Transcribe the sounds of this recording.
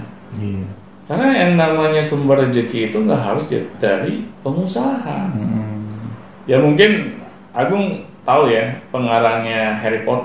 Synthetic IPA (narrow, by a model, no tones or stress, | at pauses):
kaɾnajaŋnamaɲasumbərd͡ʒəkiːt̪uŋɡaʔɦa̰ɾʊsdaɾipəŋusaɦa̰ | jamuŋkɪn | ʔaɡʊŋ | t̪aujapəŋaɾaŋɲaɦeɾipɔt̪